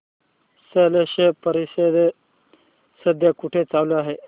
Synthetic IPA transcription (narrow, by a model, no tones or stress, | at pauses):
seleɕepəɾised̪e | səd̪ʱjakuʈʰet͡sawloaɦe